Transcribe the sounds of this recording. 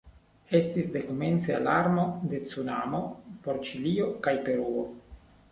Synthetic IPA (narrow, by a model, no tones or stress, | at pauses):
e̞stisde̞kome̞nt͡sealaɾmo̞de̞t͡sunamo̞po̞ɾt͡ʃilio̞kajpe̞ɾuo